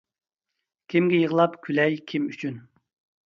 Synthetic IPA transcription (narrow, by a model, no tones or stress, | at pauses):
kʲʰimɡʲɛjəʁəlˠɑpkʲʰylɛjkʲʰimyt͡ʃʰyn